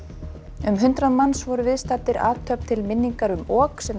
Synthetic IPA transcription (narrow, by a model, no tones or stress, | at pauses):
ʏmɦʏnt̪ɾaðmansvɔɾʏvɪðst̪aːt̪ɪɾʔa̰ːt̪ʰːœpt̪ʰɪlmɪnːiŋkaɾʏmɔːksɛm